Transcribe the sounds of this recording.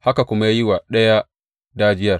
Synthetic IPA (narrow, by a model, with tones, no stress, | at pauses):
ha˦ka˨kʷʊ˦ma˦jaː˦jɪ˦wa˨ɗɐ˦ja˦ | daː˦d͡ʒɪ˦jɐ˨r